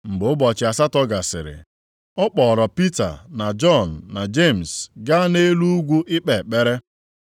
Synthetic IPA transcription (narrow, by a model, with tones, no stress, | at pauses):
ŋ͡m̩˨ɡ͡bʊ˨ʊ˦bɔ˨t͡ʃɪ˨a˨sa˦tɔ˦ɡa˨sɪ̰˨ɾɪ̰˨ | ɔ˦k͡pɔ˨ɾɔ˨pi˦ta̰˨na˨d͡ʒɔ˦˨n̩ː˨a˨d͡ʒe˦˨m̩˨sɡa˦ne˦lu˦ɡʷu˦ʔɪ˦k͡pe˨k͡pe˦ɾe˦